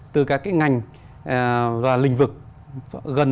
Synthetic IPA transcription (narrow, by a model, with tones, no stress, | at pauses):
t̪ɨ˨˩kaː˦˥kːaː˨˦jŋa˨˩jŋ̟˨ | laː˨˩lï˧˩ŋ̟vɨ˨˩k̚ | ɣə˨˩n